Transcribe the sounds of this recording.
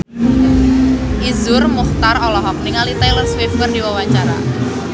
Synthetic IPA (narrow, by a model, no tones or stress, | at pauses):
ʔizʊrmuht̪arɔlɔɦɔkniŋalit̪ajlərswɪfkərdiwawaɲt͡ʃaɾa̰